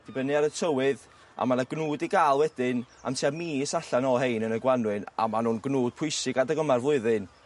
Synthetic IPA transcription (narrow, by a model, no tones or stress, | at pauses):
d̥ibənɨaɾətʰəwɨð | a̰manaɡnuːdiɡaːlˠwɛdɪn | a̰mtʰiamiːɪsaɬanɔɦejnənəɡwanwɨna̰manuːnɡnuːd̥̚pʰʊjsɪɡadəɡəmarvlˠʊɨðɨn